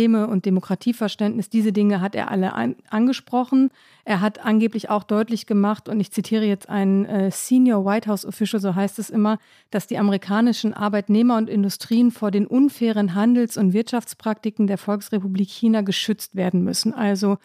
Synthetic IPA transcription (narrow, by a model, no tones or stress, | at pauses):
eːməʊnt̚d̥emokʁ̥atʰiːfɛɐʃtɛntnɪsd̥iːzədɪŋəɦatḛːɐʔa̰ləʔa̰ʔanɡəʃpʁ̥ɔχn̩ | ʔeːɐɦatʔanɡeːplɪça̰ʊxd̥ɔʏtlɪçɡ̥əmaχtʊntɪçt͡sitʰiːʁ̞əjɛt͡stʔa̰ɪnənʔɛːsiːnjoːɐwaɪthaʊsɔ̰fɪʃl̩zoːɦaɪstɛsʔɪmɐ | d̥asd̥iːʔaməʁikʰaːnɪʃn̩ʔa̰ɐbaɪtneːmɐʊntʔɪndʊstʁ̥iːənfoːɐdeːnʔʊnfɛːʁ̞ənɦandl̩sʊntv̥ɪɐtʃaft͡spʁ̥ak̚tɪkŋ̩deːɐfɔlksʁepubliːkçiːnaɡəʃʏt͡stv̥eːɐdn̩mʏ̰sn̩ʔalzo